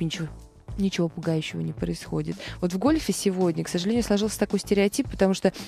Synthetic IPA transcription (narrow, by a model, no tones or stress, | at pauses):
nʲɪt͡ɕɪo | nʲɪt͡ɕɪvo̞pʊɡajʉɕːɪvə̰nʲɪpɾəɪsxo̞̰dʲɪt̪vo̞t̪vɡo̞lʲfʲɪsʲɪvo̞dʲnʲəksəʐɨlʲenʲjʊslˠɐʐɨlˠsʲə̥t̪ɐko̞jsʲtʲɪɾʲɪɐtʲipːə̥t̪ɐmuʂt̪o